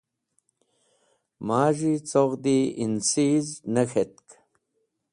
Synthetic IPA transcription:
maːʒit͡soʁd̪iinsiznəxet̪k

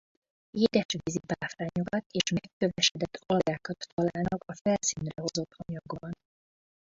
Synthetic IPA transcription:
eːd̪ɛʃʋiːzipaːfraːɲoɡɒt̪eːʃmɛkːøvɛʃɛd̪ɛt̪ʰːɒlɡaːkɒt̪ːɒlaːlnɒkɒfɛlsiːnrɛɦo̞zo̞t̪hɒɲɒɡbɒn

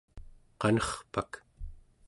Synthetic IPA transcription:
qɑnʌχpak

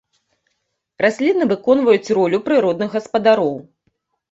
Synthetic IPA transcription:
rasʲlʲinːɐvɨkɔnvɐjut͡sʲrɔlʲupɾɨɾɔd̪nɨɣɣɐspɐd̪aɾɔw

